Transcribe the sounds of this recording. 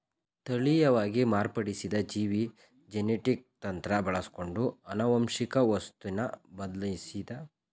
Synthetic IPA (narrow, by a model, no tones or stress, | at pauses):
t̪ɐɭijɐʋaːɡimaːɾpɐɽisid̪ɐd͡ʒiːʋi | d͡ʒeneʈik̚t̪ɐnt̪ɾɐbɐɭɐsko̞ɳɖuɐnɐʋɐmʃikɐʋɐst̪unɐbɐd̪lɐsid̪ɐ